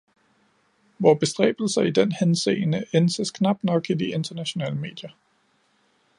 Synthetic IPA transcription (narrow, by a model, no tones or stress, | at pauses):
ʋɒːb̥e̝sd̥ʁɛ̰ːb̥l̩sɐid̥enhensḛːnəensəskʰnɑ̈b̥̚nɒ̽ɡ̥idie̝nd̥ɐnæɕo̝nɛ̰ːləme̝̰ːd̥jɐ